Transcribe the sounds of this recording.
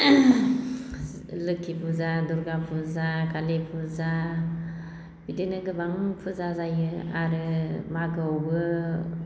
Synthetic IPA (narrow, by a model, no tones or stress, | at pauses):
ləkːipuzaduɾɡapuzakalepʰuza | b̥idenəɡəbaŋpʰuzazajəa̰ɾəmaɡəɡə